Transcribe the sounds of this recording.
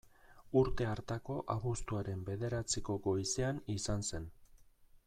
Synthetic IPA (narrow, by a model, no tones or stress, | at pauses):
uɾt̪e̞aɾt̪ako̞ʔaβust̪uaɾe̞mbe̞ðe̞ɾat͡siko̞ɡo̞jse̞anisanse̞n